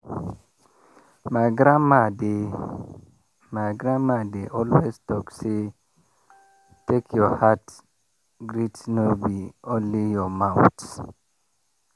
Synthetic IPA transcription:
maɡɾamade | maɡɾamadeʔɔlweztɔkse | tekʰjɔhat | ɡɾitnobiõnlijɔmaʊts

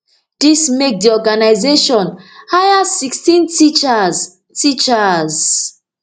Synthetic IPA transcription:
dismek̚diɔɡanaɪzeʃɔ̃nhajasikstĩntit͡ʃz | tit͡ʃaz

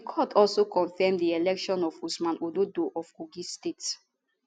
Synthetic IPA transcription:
dikʰɔtʰɔlsokɔ̃nfɛmdielɛkʃɔ̃nɔfusmãnʔododoʔɔfkuɡistets

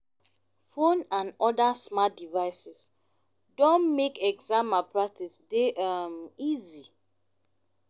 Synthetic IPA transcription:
fonãnɔdasmadivaɪsɛs | dõnmekɛɡzãmapɹak̚tisdeʔmizi

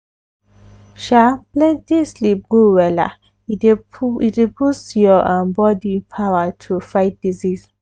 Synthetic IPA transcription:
ʃaplɛ̃ntdislip̚ɡ̥owɛla̰ | iitepussjɔʔãmbɔdipʰawətʰufajt̚dizis

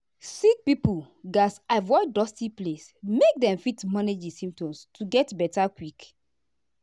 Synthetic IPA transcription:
sik̚pipu | ɡasavɔɪdɔstiplesmek̚dɛ̃mfitmaned͡ʒisĩmtɔ̃mstʰuɡɛtbɛtakwik

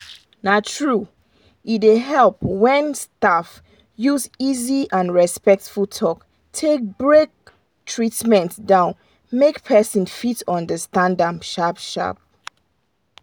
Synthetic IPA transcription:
natʰɹu | iteɦɛlpwɛ̃nstaf | juziziʔãnɹɛspɛk̚tfultʰɔk | tʰek̚bɹek̚ | tʰɹitmɛ̃ntdãʊ̃n | mekpʰɛsə̃nfitɔ̃ndəstãndãmʃapʃa̰p̚

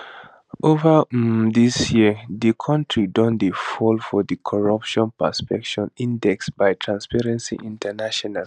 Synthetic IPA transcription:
ʔovədisjiðikʰɔ̃ntʰɹidɔ̃ndefɔlfɔdikʰɔɹʌpʃɔ̃npəspɛkʃɔ̃nĩndɛksbajtʰɹãnspɛɹɛ̃nsḭʔĩntʰənaʃɔnal

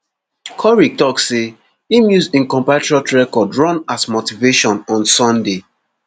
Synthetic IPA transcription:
kʰɔɹik̚tɔksːe | imjuzĩnkɔ̃mpatɹiatɹɛkɔdɹɔ̃nasmotiveʃɔ̃nɔ̃nsɔ̃nde

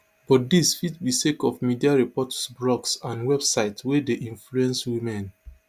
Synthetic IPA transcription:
bɔtdisfitbisekɔfmidiaɹipɔtsblɔɡsãnwɛbsaɪtwedeʔĩnfluɛ̃nswimɛ̃n

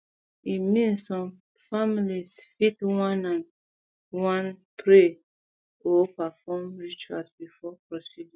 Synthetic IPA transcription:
imĩnssɔ̃m | familisfitwãnãn | wãnpʰɹe | opafɔmɹit͡ʃualsbifɔpɹɔsidĩ

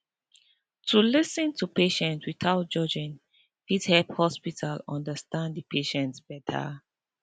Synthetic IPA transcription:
tʰulisə̃ntʰupeʃɛ̃ntwiθaʊt̚d͡ʒɔd͡ʒĩn | fidhɛlphɔspitʰalɔ̃ndəstãndəpʰeʃɛ̃ntsb̥ɛtʰə̰

